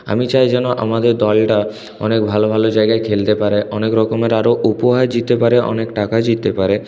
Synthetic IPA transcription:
a̰mit͡ɕajd͡ʑɛnoʔa̰mad̪eɾd̪ɔlʈa | ɔ̰nek̚bʱalobʱalod͡ʑaeɡaekʰelt̪epaɾeʔɔnekɾɔkomeɾaɾoʔupoɦad͡ʑit̪epaɾeʔɔ̰nekʈakad͡ʑit̪epaɾe

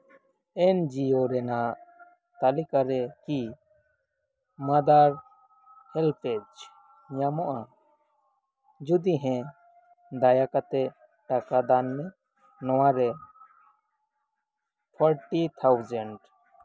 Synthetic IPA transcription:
ɛnd͡ʒioɾɛnaʔ | t̪alikaɾɛki | mad̪aɾ | hɛlpʰɛd͡ʒ | ɲamɔʔa | d͡ʒud̪iɦɛ̃ | d̪ajakat̪ɛ | ʈakad̪anmɛ | nɔwaɾɛ | pʰɔɾʈit̪ʰawd͡ʒəɳɖ

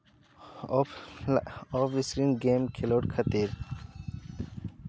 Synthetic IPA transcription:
oːfiskɾinɡeːmkʰiloːʈkʰɐt̪iːɾ

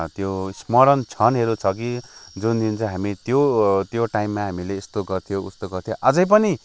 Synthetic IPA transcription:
t̪josmʌɾʌnt͡sʰʌnɦeɾut͡sʰʌkid͡zund̪int͡sʰʌ̃ɦamit̪jot̪joʈaimːaɦamileːst̪oɡʌrt̪ʰijoust̪oɡʌrt̪ʰijoʔʌd͡zʌjp̬ʌni

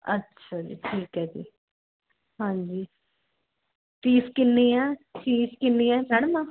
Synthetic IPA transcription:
ə̰tːʃʰaːd͡ʒḭːʈʰiːkɦɛːd͡ʒḭː | ɦãːɲd͡ʒiː | tiːskɪnːiːãːt͡ʃiːskɪnːiːɛ̃ːmɛɽ̃əmãː

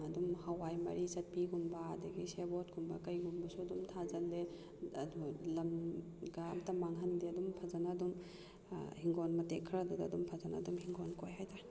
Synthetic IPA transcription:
ɐdumhɐwajmɐ̰ɾisɐt̚piɡumbɐːdɐɡisebotɡumbɐkɐjɡumbɐsuɐdumtʰazɐlːe | dulɐm | ɡamtɐmaŋɦɐndiɐdumpʰɐzanɐːdum | hiŋɡonmɐtekʰːɾadudɐːdumpʰɐzanɐːdumhiŋɡonkojɦajta

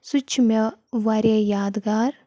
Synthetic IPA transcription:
sut͡ʃʰmeʋaɾajaːd̪ɡaːɾ

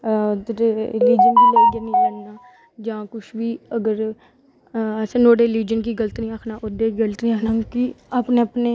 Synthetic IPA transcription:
d̪ɾeliːd͡ʒənkiːleːɡenĩːlɛnaː | d͡ʒãːkʊʃʋiːəɡəɾ | senoːɽeːliːd͡ʒənkiːɡələt̪nĩːaːkʰnaːʔʊd̪eːɡəlt̪niakʰnãːkiaːpneːəpneː

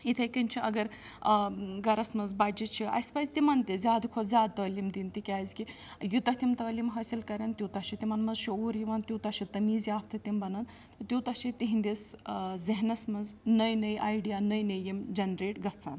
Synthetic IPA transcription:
it̪ʰɐjkɐnt͡ʃʰiʔɐɡɐɾ | ɡɐɾɐsmɐnzbad͡ʒit̪t͡ʃʰiɐ̰spɐzʲt̪imɐnt̪izʲaːd̪kʰozʲaːd̪̚t̪ɐːlimd̪int̪ikʲaːjzkijut̪ɐht̪ʲimt̪ɐːlimɦɐːsilkɐɾɐnt̪ʲjuwt̪ɐt͡ʃʰit̪imɐnmɐzʃioːɾjiʋɐnt̪ʲjut̪ɐt͡ʃʰit̪ɐmiːzjaːpt̪ʰɐt̪imbɐnɐn | t̪ɨt̪ʲjuːt̪ɐt͡ʃʰit̪iɦind̪iszɐɦnɐsmɐnznɐjnɐjʔaːjɖijaːnɐjnɐjimd͡ʒɐnɾeːʈɡɐt͡saːn

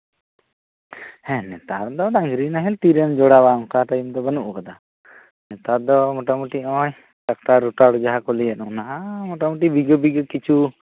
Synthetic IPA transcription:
hɛ̃nɛt̪aɾd̪ɔd̪ãŋɡɾinaɦɛlt̪iɾəmd͡ʒɔɽabamkaʈajumd̪ɔbənuʔukad̪a | nɛt̪ad̪ɔmɔʈamuʈiɔ̃j | tak̚ʈaɾuʈaɽd͡ʒaɦakɔlijanunaɦamɔʈamuʈ̬ibiɡəbiɡəkit͡ʃʰu

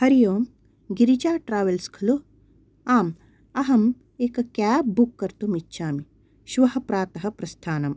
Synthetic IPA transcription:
hɐɾijoːm | ɡiɾit͡ʃaːʈɾaːʋɐlskʰɐlu | aːm | ɐɦɐm | eːkɐkaːp̚bukːɐɾt̪umitːʃʰaːmi | ʃʋɐɦɐpɾaːt̪ɐɦɐpɾɐst̪ʰaːnɐm

